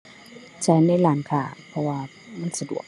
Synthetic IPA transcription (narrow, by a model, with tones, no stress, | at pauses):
t͡ɕa˧˩jna˧˥˨jlaː˨˦nkʰaː˧˩pʰɔ˧waː˧ | ma˧˥˨nsa˧dṵ˨˩ək̚